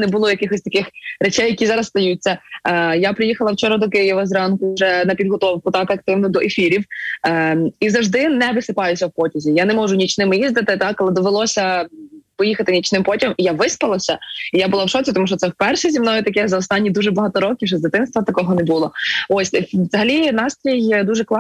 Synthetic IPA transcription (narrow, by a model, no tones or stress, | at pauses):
nɛbʊlˠɔjɐkɪxɔsʲt̪ɐkɪxɾet͡ʃɛjɐkʲizɑɾɐst̪ɐjut͡sʲːɐjapɾɪjixɐlˠɐwt͡ʃɔɾɐd̪ɔkɪjiʋɐzɾɑnkʊʒɛnɐpʲid̪ɦɔt̪ɔwkʊt̪ɑkɐk̚t̪ɪwnʊd̪ɔʔefʲiɾʲiw | izɐʒd̪ɪnɛʋɪsɪpɑjʊsʲɐwpɔtʲɪzʲijanɛmɔʒʊnʲit͡ʃnɪmjizd̪ɪt̪ɪt̪ɑkɐlˠɛd̪ɔʋelˠɔsʲɐpɔjixɐt̪ɪnʲit͡ʃnɪmpɔtʲiɐmijaʋɪspɐlˠɐsʲɐijabʊlˠɑwʃɔt͡s̪ʲɪt̪ɔmuʃt͡ʃɔt̪sɛwpɛrʃɛzʲimnɔjʊt̪ɐkɛzɐɔst̪ɑnʲːid̪uʒɛbɐɦɐt̪ɔɾɔkʲiwʒɛzd̪ɪt̪ɪnst̪ʋɐt̪ɐkɔɦɔnɛbulˠɔɔsʲʋzɐɦɐlʲinɑst̪ɾʲijd̪uʒɛklˠɑ